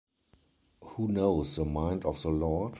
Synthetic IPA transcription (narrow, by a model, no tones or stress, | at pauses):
huːnoʊsðəmãɪ̃ndɔfðəlɔd